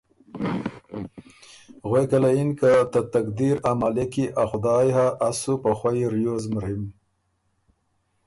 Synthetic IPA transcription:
ɣwekalainkat̪at̪ak̚d̪iɾamalekiʔaxʊd̪ɑːjɦaʔːsupaxwajɾjozmɾim

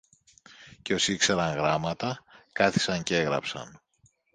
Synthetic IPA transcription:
ce̞o̞sikseɾɐŋɣɾɐmɐt̪ɐkɐθi̥sɐɲcee̞ɣɾɐ̰psɐ̰n

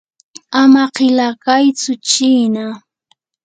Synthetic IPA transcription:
amaqɪlakajt͡sʊt͡ʃiːna

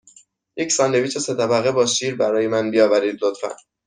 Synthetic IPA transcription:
jecsɒːnd̪e̞viːt͡ʃʰeset̪ʰæbæɣe̞bɒːʃiːɾbæɾɒːjemænbijɒːvæɾiːd̪lot̪fæ̰n

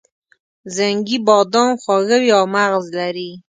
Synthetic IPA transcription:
zaŋɡibɑd̪ɑnxwɑɣawiawmaɣzlaɾi

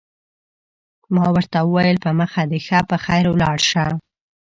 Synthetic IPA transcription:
mɑwəɾt̪awəwajəlpəməxad̪əxapəxajɾwlɑɽʃa

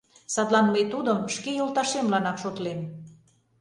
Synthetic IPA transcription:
sɑt̪lɑnməjt̪ud̪əmʃkejolt̪ɑʃemlɑnɑkʃot̪lem

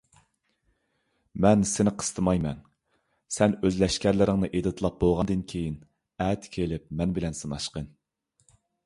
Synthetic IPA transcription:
mɛnsɪnɪqʰə̥st̪ʰɨmɑjmɛn | sɛnøzlɛʃkʲæɾlɪɾɪŋnɨʔed̪ɨt̪ʰlˠɑp̚bolˠʁɑnd̪ɨnkʲʰejin | ɛt̪kʲʰelɪp̚mɛnbɪlɛnsɨnɑʃqən

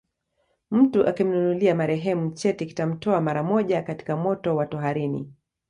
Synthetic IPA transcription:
m̩tuʔakim̩nunuliamaɾɛɦɛmum̩t͡ʃɛtiki̥tam̩tɔamaɾamɔʄakati̥kamɔtɔwatɔɦaɾinḭ

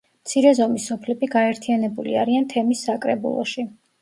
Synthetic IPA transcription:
mt̪sʰiɾɛzɔmisːɔpʰlɛbiɡaɛɾt̪ʰijanɛbulḭaɾiant̪ʰɛmisːakʼɾɛbṵlˠɔ̰ʃi

